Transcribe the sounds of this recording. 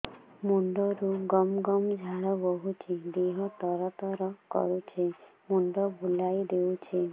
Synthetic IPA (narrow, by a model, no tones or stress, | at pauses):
muɳɖɔɾuɡɔmɡɔmd͡ʒʱaɭɔbɔɦut͡ʃʰed̪eɦɔt̪ɔɾɔt̪ɔɾɔkɔ̰ɾut͡ʃʰemuɳɖɔbʱulajd̪eut͡ʃʰe